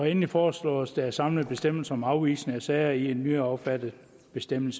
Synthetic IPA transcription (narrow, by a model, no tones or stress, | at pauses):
ɒenlifɒːslɔ̰ːɒsd̥ææɐsɑ̈mləð̩ˠb̥e̝sd̥em̰l̩sɐɒ̽mɑ̈ʊʋiːsnæsɛɪɐie̝nːyɒ̽b̥fæd̥ð̩ˠ | b̥e̝sd̥em̰l̩sə